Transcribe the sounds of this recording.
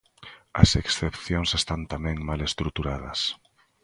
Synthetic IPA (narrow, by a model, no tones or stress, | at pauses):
ɐ̰seksθepθjoŋsest̪ant̪amɛ̃ŋmalest̪ɾut̪uɾað̞ɐ̰s